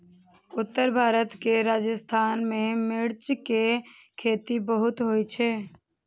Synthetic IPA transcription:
ʊt̪ːəɾbʱaːɾət̪keɾaːd͡ʒəst̪ʰaːnmẽmɪɽt͡ʃke | kʰeːt̪ibəɦʊt̪ɦojt͡ʃʰeː

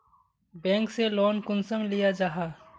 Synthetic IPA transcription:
bɛ̃ːŋkselɔːnkʊnsəmlijad͡ʒaɦaː

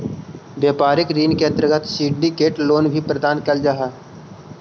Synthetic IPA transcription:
bjaːpaːɾɪkɾiːnkẽnt̪ɾəɡət̪siːɖɖikeːʈloːnbʱipɾəd̪aːnkəld͡ʒaːɦɛː

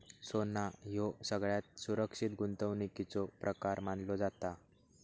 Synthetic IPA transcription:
sonajosəɡɭjat̪̚suɾəkʂit̪ɡunt̪əʋnikit͡sɔpɾʔəkaɾmanlɔd͡zat̪a

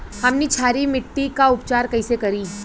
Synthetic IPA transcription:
hɐmnit͡ʃʰaːɾimɪʈːikaʊp̚t͡ʃaːɾkɐisekɐɾi

